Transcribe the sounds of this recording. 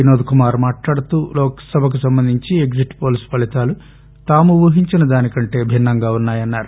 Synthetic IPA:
inoːd̪ukumaːɾmaːʈlaːɽut̪uːlɔːksɐbʱɐk̬usɐmbɐnd̪ʱiɲt͡ʃieɡd͡ʒiʈːpoːlispɐlit̪aːlu | t̪aːmuʋɐɦiɲt͡ʃinɐd̪aːnikɐɳʈe̞ːbʱinːɐŋɡaːunːaːjɐnːaːɾu

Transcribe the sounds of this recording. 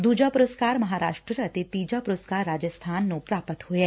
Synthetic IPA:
d̪uːd͡ʒapʊɾəskaːɾmɐɦaːɾaːʃʈɾəɾɐt̪it̪iːd͡ʒapʊɾəskaːɾːaːd͡ʒəst̪ʰaːnːõpɾaːpət̪hʊeː

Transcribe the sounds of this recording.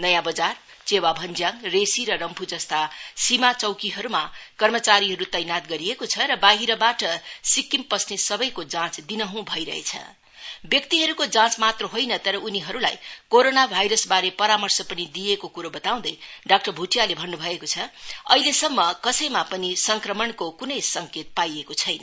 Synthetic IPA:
nʌjãbʌd͡zar | t͡sewabʱʌnd͡zjãŋɡresiɾʌɾʌmpʰud͡zʌst̪asimat͡sʌwkiɦʌɾumakʌrmʌt͡saɾiɦʌɾut̪ʌjnat̪ɡʌɾiekot͡sʰʌɾʌbaɦiɾʌbaʈʌsikːimpʌsnesʌbʌjkod͡zãt͡sd̪inʌɦũbʱʌiɾʌ̰ɦḛt͡sʰʌ̰ | bjʌkt̪iɦʌɾukod͡zãt͡smat̪rʌɦojnʌt̪ʌɾʌʔuniɦʌɾula̰jkoɾonabʱajɾʌsbaɾepʌɾamʌrsʌpʌnid̪ijekokuɾobʌt̪aw̃d̪ʌjɖak̚ʈʌrbʱuʈijalebʱʌnːubʱʌekot͡sʰʌʌ̰ɦilesʌmːʌkʌsʌjmapʌnisʌŋkrʌmʌnkokunʌjsʌŋket̪̚pajekot͡sʰʌjnʌ

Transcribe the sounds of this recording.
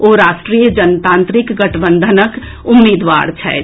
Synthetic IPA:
oːɾaːʃʈɾiːjəd͡ʒənt̪ãːnt̪ɾikɡəʈʰbə̃nd̪ʱənək | ʊmːeːd̪ʋa̰ːɾt͡ʃʰɛ̰

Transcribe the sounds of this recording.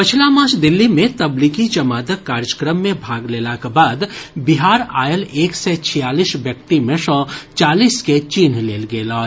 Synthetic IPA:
pət͡ʃʰlamãːt͡ʃʰd̪ɪlːimẽt̪əblikit͡ʃɐmaːd̪əkːaːɾjəkɾəmːẽbʱaːɡleːlakebaːd̪bɪɦaːɾa̰ːjəleːksɛt͡ʃʰijaːliːsʋjək̚t̪imẽsɔ̃ːt͡ʃaːliːsket͡ʃiːnleːlɡeːlaː

